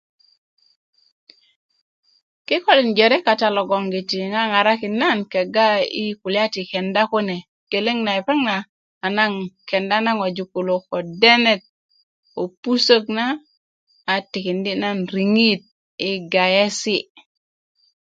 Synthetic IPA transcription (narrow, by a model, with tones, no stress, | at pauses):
kɪ˦kɔ˦li˨nd͡ʒɛ˨ɾɛ˦ka˨ta˨lɔ˨ɡɔ˨ŋɡi˨ti˨ŋa˦ŋa˨ɾa˦ki˨na˦nkɛ˨ɡa˦i˦ku˨lja˦ti˨kɛ˨nda˦ko˦nɛ˨ | ke˨le˦ŋna˨ɛ˨pɛ˦ŋnaː˨ | na˦ŋkɛ˨nda˦na˦ŋo˨d͡ʒu˨ku˨lo˨kɔ˨dɛ˦nɛ˦t̚ | o˨pu˦so˦knaː˦˨ | ti˨kɪ˨ndi˦na˦nɾi˨ŋi˦t̚ | i˨˦ɡa˨jɛ˦si˦